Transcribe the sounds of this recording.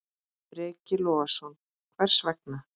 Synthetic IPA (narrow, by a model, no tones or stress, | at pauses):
pɾɛːcɪlɔːasɔn | kʰvɛr̥svɛk̚na